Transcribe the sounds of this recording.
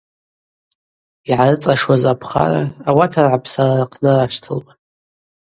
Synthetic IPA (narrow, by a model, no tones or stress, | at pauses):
iʕarɨt͡sʼaʂwazapʰχa̰ra̰awatʰarʕapʰsararqʰʼnaraʂʰtʰɨlbʼa